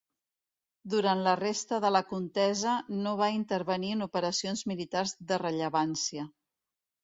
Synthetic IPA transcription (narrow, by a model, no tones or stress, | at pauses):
d̪uɾant̪lərest̪əðələkunt̪ɛzənoβ̞aint̪əɾβəniənupəɾəsionzmilit̪arzðərəʎəβansiə